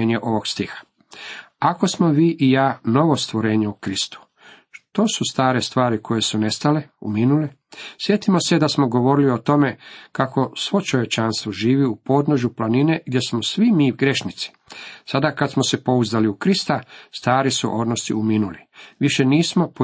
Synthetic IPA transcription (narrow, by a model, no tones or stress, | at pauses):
eɲeʔo̞ʋo̞ɡst̪ixḁ | ako̞smo̞ʋiːʔijaːno̞ʋo̞st̪ʋo̞ɾe̞ːɲeukɾist̪u̥ | ʃt̪o̞sust̪aːɾe̞st̪ʋaːɾikʰo̞je̞sune̞st̪aleuminuli | sje̞t̪imo̞se̞d̪asmo̞ɡo̞ʋo̞ɾiliot̪o̞me̞kako̞sʋo̞t͡ʃo̞ʋje̞t͡ʃaːnst̪ʋoʒiːʋiupo̞ːd̪noʒuplanine̞ɡd̪je̞smosʋimiːwɡɾe̞ʃnit̪si̥ | sad̪akat̪smo̞se̞po̞uzaliukɾist̪ast̪aːɾisṵʔo̞d̪nost̪ḭuminuliʋiʃe̞niːsmo̞po